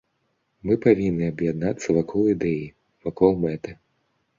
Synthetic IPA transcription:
mɨpavʲinːɨɐbjad̪nat̪sːɐvakʰɔlˠid̪ɛji | vakɔlˠmɛt̪ɨ

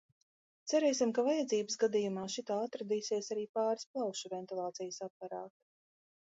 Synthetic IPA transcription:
t̪sæɾɛjsimkavajad̪ziːbəsɡad̪ijumaːʃit̪aːat̪ɾad̪iːsiɛsaɾiːpaːɾsplˠawʃuvɛnt̪ilˠɑːt̪sijəsap̚paɾaːk

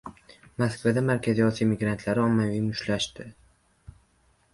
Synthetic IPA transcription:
maskvad̪amaɾkʲʰaziɒsijamɪɡɾant̪ʰlaɾɪɒmːavijmʊʃlaʃt̪ɪ

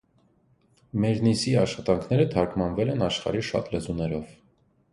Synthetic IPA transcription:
mɛɾnisiɑʃχɑt̪ɑŋkʰn̪ɛɾət̪ʰɑɾkmɑnvɛlɛnɑʃχɑ̰ɾiʃɑ̰t̪lɛzunɛɾɔv̥

